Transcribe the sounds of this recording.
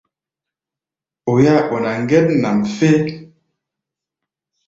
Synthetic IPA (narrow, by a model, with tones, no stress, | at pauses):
o˨ja˦ʔo˨na˨ŋ˦ɡɛ˦t̚na˨mfe˦